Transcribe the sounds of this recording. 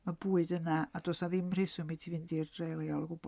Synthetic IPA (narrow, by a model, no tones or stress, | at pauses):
mabuɨdənaadɔsaðɪmr̥ɪsumitʰivindirrejlajalˠɡub